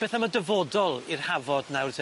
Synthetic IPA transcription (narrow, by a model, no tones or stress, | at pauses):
b̥ɛθamadəvodɔlˠirhavɔdnawrðə